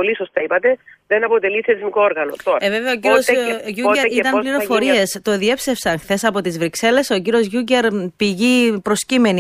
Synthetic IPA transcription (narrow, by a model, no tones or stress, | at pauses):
olisost̪ɐipɐt̪e̞ðenɐpot̪e̞lisθɐɾizmikooɾɣɐnot̪oɾɐeve̞veɐociɾiosʝueɾit̪ɐmpliɾo̞foɾiest̪o̞ðie̞psefsɐnxθe̞sɐpo̞t̪izvɾikse̞le̞so̞ciɾio̞zʝuɲceɾpiʝipɾo̞scimeni